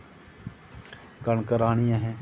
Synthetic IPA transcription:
kəɳkəɾaːñijãɦɛ̃ː

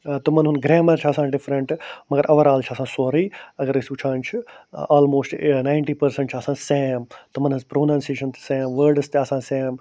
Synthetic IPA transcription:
t̪ɐmɐnɦunɡɾɛːmɐɾt͡ʃʰiɐsãːɖɪfɾɐɳʈmɐɡɐɾʔɐʋɐɾaːlt͡ʃʰiɐsãːsoːɾiːɐɡɐɾisuːt͡ʃʰãːnt͡ʃʰiaːlmoːsʈnaːɪɳʈiːpɐɾsə̃ɳʈt͡ʃʰɐːsãːseːmt̪ɐmɐnɦɨzpɾoːnãːnseːʃɐnt̪sɛ̃ːmʋəɾɖst̪eɐsãːsɛːm

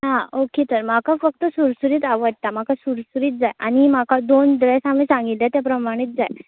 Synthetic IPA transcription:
ɦãoket̪əɾmakʰafək̚t̪əsuɾsuɾiːt̪aʋəɽt̪am̤akʰasuɾsuɾiːt̪̚d͡zajañimakʰad̪ond̪ɾesam̤isãŋɡit̪lat̪japɾəmaɽ̃iːt̪̚d͡zaj

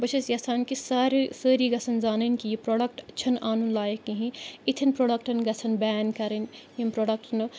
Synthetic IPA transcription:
bɐt͡ʃʰɐsjɐsaːnkisaːɾsəːɾiɡɐsʰɐnzaːnɐnkijipɾoːɖɐk̚ʈɐt͡ʃʰɐnʔaːnunlaːjɐkːiɦĩit̪ʰinpɾoːɖɐk̚ʈɐnɡɐsʰɐnbɛːnkɐɾɐnjimpɾoːɖɐk̚ʈnɨ

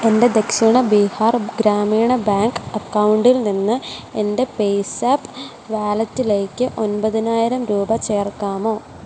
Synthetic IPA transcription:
e̞nde̞d̪e̞kʂiɳɐbiːhaːrɡɾaːmiːɳɐbaːŋkɐkːɐwuɳɖilninːɨe̞nde̞pejsaːpː | ʋaːlɐt̪ːile̞ːkːɨʔo̞npɐðinaːjiɾɐmɾuːbɐt͡ɕe̞ːrkːaːmo̞ː

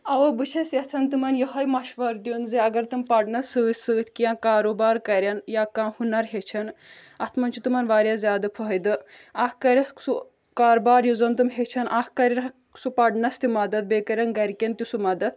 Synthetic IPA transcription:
ɐʋɐbɨt͡ʃʰɐsʲjɐt̪ʰɐnt̪ɨmɐnjɐɦɐjmɐʃʋɐɾd̪ijonziɐɡɐɾt̪ɨmpɐɖnɐsɨːsɨːt̪ʰʲkijãːkaːɾobaːɾkɐɾʲɐnjaːkãːhunɐɾɦet͡ʃʰɐn | ɐt̪ʰmɐnt͡ʃʰut̪umɐnʋaːɾʲjazʲjaːd̪ɐpʰɐɦjd̪ɨɐhkɐɾʲɐsu | kaːɾbaːɾjuzɐnt̪̬ɨmɦet͡ʃʰɐnʔahkɐɾʲɐɾɐ | supɐɖnɐst̪imɐd̪ɐt̪̚beːkɐɾʲɐnɡɐɾʲkʲɐnt̪usumɐd̪ɐt̪̚ʰ

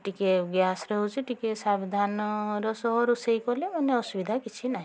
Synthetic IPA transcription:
ʈikeɡjasɾɔɦut͡ʃʰiʈikesabid̪ʱanɔɾɔsɔɦɔɾusejkɔlemɔneɔsubid̪ʱakit͡ʃʰinaɦĩ

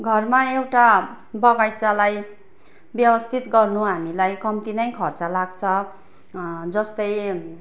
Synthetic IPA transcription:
ɡʱʌrmaewʈa | bʌɡajt͡salaj | bjʌwʌst̪ʰit̪ɡʌrnuɦamilajkʌmt̪inʌjkʰʌrt͡salaɡt͡sʰʌ | d͡zʌst̪ʌj

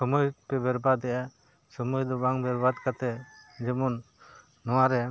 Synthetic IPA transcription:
sɔmɔjpɛbɛɾbad̪ɛja | sɔmɔjd̪ɔbaŋbɛɾbad̪kat̪ɛd͡ʒɛmɔnː | ɔwaɾɛ

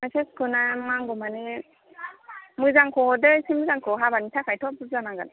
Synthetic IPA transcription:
maseskʰɯnamaŋɡɔmani | mɯzaŋkʰɔhɔdɯjsimɯzaŋkʰɔɦabanitʰakʰajtʰɔp̚dɯzanaɡan

